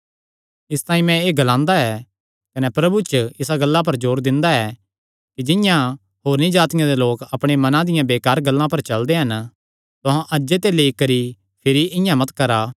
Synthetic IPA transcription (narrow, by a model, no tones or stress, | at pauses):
ɪst̪ãːĩmɛ̃eːɡɐlãːnd̪aɛː | kɐnɛpɾɐbut͡ʃɪsaɡɐlːap̬ɐɾd͡ʒoːɾd̪ɪ̃nd̪aɛː | kid͡ʒɪ̃jã | ɦoːɾnĩd͡ʒaːt̪ɪjãd̪eloːkɐpɽ̃emɐnãd̪ɪjãbeːkaːɾɡɐlːãpɐɾt͡ʃɐld̪eɦɐn | t̪ʊɦãʔɐd͡ʒd͡ʒet̪eleikɐɾi | pʰɪɾiʔɪ̃jãmɐt̪kɐɾaː